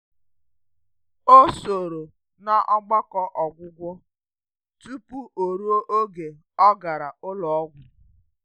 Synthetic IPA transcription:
o˦so˨ɾo˨ | na˦ʔɔ˦ɡ͡ba˦kɔ˦ʔɔ˨ɡʷʊ˦ɡʷɔ˦ | tu˦pu˦ʔo˨ɾu˦o˦ʔo˦ɡe˨ | ɔ˦ɡa˨ɾa˨ʔʊ˦lɔ˨ɔ˦ɡʷʊ˨

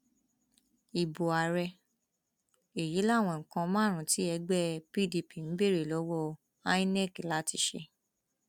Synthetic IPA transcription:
i˨bo˨a˨ɾɛ˧ | e˨ji˨˦la˦˨w̃ɔ̃˧˨ŋ̩˨kã˧mãː˦˨ɾ̃ũ˨ti˨˦ɛ˧˦ɡ͡bɛ˦pi˦˨di˧pi˨n̩˨˦be˦˨ɾe˨lo˨˦wo˦ | a˦i˦nɛ˦˨ki˨la˨˦ti˧ʃḛ˧

